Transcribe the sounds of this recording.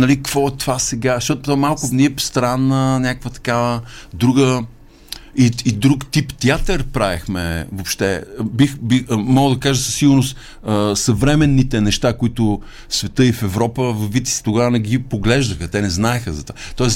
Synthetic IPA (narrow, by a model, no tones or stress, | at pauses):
nɐlikvɔɛt̪vasɛɡaʃt̪ɔt̪t̪ɔmalˠkʊniɛpst̪ɾanːənʲakvət̪ɐ̥kavəd̪ɾuɡə | iid̪ɾukt̪ipt̪iat̪əɾpɾaɛxmɛ̰vopʃt̪ɛbixbimɔɡlˠd̪ɐkaʒəsəsːiɡʊɾnʊst̪ | əsɐvɾɛmɛnːit̪ɛnɛʃt̪akoit̪ʊ | svɛt̪ɤifɛvɾɔpəvvit̪i̥st̪oɡavənɛɡipoɡlɛʒd̪əxət̪ɛnɛznaɛxəzɐt̪o̥at̪ɔɛs